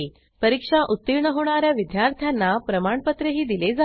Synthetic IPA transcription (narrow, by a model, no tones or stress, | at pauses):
i | pəɾikʂaʔut̪ːiɾɳəɦoɳ̃aɾjaʋid̪jaɾt̪ʰjanːapɾəmaɳpət̪ɾəɦiːd̪iled͡za